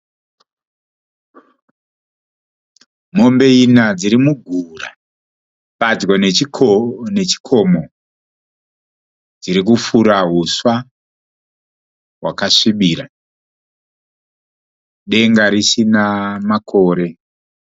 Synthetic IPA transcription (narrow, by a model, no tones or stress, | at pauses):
mo̞mbe̞inad͡ziɾimuɡʱura | pad͡ʒɡone | ne̞t͡ʃi̥kʰo̞mo̞ | d͡ziɾik̬ufuɾaɦuswa | ɦwa̰kaʂiɓiːɾa | ɗe̞ŋɡaɾisinamakʰo̞ːɾe̞